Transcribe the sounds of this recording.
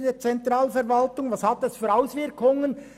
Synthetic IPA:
deːt͡sɛntɾɑːlfɛɾvɑltʊŋvɑshɑt̪ɛsfyːɾaʊsvɪɾkʰʊŋən

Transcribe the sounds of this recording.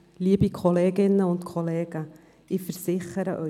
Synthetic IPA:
liːbikʰoleːɡɪnːəʊntkʰoleːɡ̥ə | ɪfəɾsɪχəɾəʔœ

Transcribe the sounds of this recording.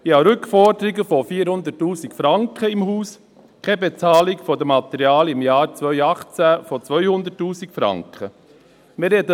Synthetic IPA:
jɑːɾʏkfɔɾd̪əɾɪɡəfofiːɾhʊnd̪ətːuːsikfɾɑŋkχəɪmhuːs | kʰɛbet͡sɑːlɪkfɔdəmɑt̪ɛɾjɑːlɪmjɑːɾt͡svœʏɑχt͡sæfɔt͡sʋœʏhʊnd̪ətːuːsikfɾɑ̰ŋkχə | mɪɾɛdə

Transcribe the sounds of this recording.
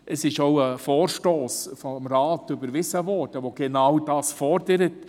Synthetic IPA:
ʔəsɪʃoʊəfɔːɾʃtoːsfɔmɾɑːtʏbəɾʋɪsəvɔɾd̥əʋoɡ̥enɑwd̥ɑːsfɔɾd̥əɾət

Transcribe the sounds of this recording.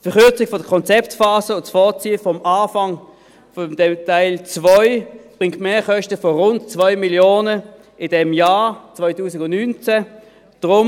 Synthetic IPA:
tfɛɐχʏɐt͡sɪɡ̥fɔdəkʰɔnt͡sɛptfaːsəʊntsfɔɐt͡siːəfɔmʔaːfɑŋ | fɔdɛmtaɪlt͡svɔʏb̥ʁɪŋktmeːɐχœʃtəfɔʁʊntt͡svɔʏmiljoːnə | ɪd̥ɛmjaːt͡svɔʏtuːsɪɡʊndnyːnt͡sæ | d̥ʁʊm

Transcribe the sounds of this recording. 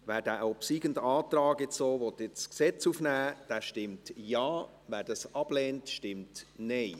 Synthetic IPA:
ʋæːɾdæːʔopsiːɡəndɑːtɾɑːkɪt͡soːʋɔt̪ɪt͡sksɛt͡sufnæːd̥æːʃtɪmtjɑː | væːɾdɑsɑb̥lɛːntʃtɪmtnɛɪ

